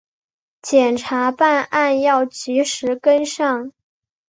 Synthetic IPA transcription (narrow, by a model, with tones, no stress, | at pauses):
t͡ɕjɛ˨˩nʈ͡ʂʰa˧˥pa˥˧na˥˧njɑ˥˩ʊt͡ɕy˧˥ʂɻ̩˧˥kə˥nʂɑ˥˩ŋ